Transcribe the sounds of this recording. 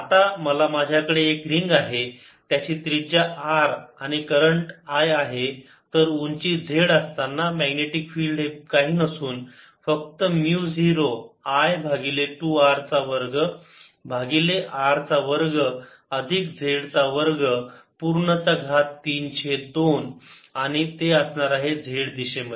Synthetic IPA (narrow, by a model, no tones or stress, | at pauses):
at̪aməlamad͡ʑʱjakəɽeːkɾiŋɡaɦe | t̪jat͡ɕiːt̪ɾid͡ʑaʔaɾaɽ̃ikəɾəɳʈajaɦe | t̪əɾuɲt͡ɕid͡zʱeɽəst̪anːamæɡneʈikfiːlɖekaɦiːnəsuːn | fək̚t̪əmjud͡ziɾoajbʱaɡileʈuaɾt͡saʋəɾɡə | bʱaɡileʔaɾt͡saʋəɾɡə | əd̪ʱikd͡zʱeɽt͡saʋəɾɡəpuɾɳət͡saɡʱat̪ːiːnɕed̪onaɽ̃it̪eəsɳaɾaɦed͡zʱeɽd̪iɕemə